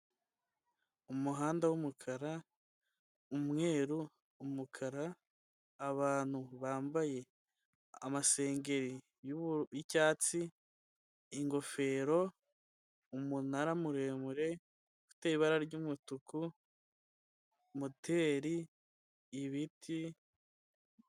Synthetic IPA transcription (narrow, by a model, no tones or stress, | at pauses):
umuɦaːndawumukʰaɾa | umŋe̞ːɾuː | mukʰaɾaː | βaːn̥huβaːmbaje̞ | amase̞ːŋɡe̞ɾi | jjicaːt͡si | iŋɡo̞fe̞ːɾo̞ | umunaɾamuɾe̞ːmuɾe̞ | ku̥teːiβaɾaɾɟumutuku | mutʰe̞ːɾiː | βitʰi